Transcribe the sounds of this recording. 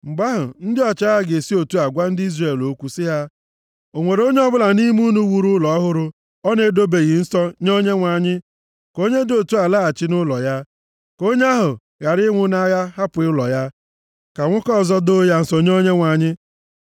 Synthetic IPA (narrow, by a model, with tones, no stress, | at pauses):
ŋ͡m̩˨ɡ͡ba˦ɦʊ̰˨n̩˦dɪ˦ɔ˨t͡ʃa˦a˨ɡe˨si˦o˨tu˦a˨ɡʷa˦n̩˦di˦zre˨lo˦kʷu˦sɪ˦ɦa˦ | o˨ŋʷe˨ɾo˦ɲe˦ɔ˦bʊ˦la˨ni˦m˦u˦nu˦wu˨ɾu˦lɔ˨ɔ˦ɦʊ˦ɾʊ˦ | ɔ˦ne˦do˦be˨ɣi˨n̩˦sɔ˦ɲo˦ɲe˦ŋʷa˨ɲɪ˦ | ko˦ɲe˦do˨tu˦a˨laː˦˨t͡ʃɪ˦nʊ˦lɔ˨ja˦ | ko˦ɲ˦a˦ɦʊ˨ | ɣa˨ɾɪ˦ŋʷʊ˦na˦ɣa˦ɦa˦pʊ˨ɪ˦lɔ̰˨ja˦ | ka˨ŋʷʊ˦kɔ˦˨zɔ˦do˦ja˦n̩˨sɔ˦ɲo˦ɲe˦ŋʷa˨ɲɪ˦